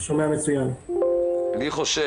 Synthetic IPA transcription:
ʃo̞meamet͡sujam | liχoʃe

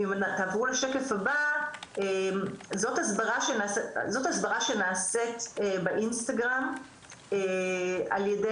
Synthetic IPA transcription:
imntaːvʁuleʃeke̞fabaemzo̞thasbaʁaʃenasezo̞tasbaʁaʃe̞naːsetebeʔinstaɡʁam | ea̰ljede

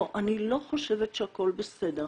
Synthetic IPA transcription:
ʔanilo̞χoʃevetʃeako̞lbesede

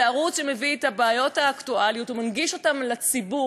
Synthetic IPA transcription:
aʁut͡sʃemevietabaːjo̞thaːktualjutumanɡiʃo̞tamlat͡sibu

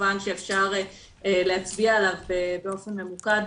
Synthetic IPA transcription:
vanʃeefʃaʁe | eleat͡sbiaelavbebeo̞fe̞nme̞mukad

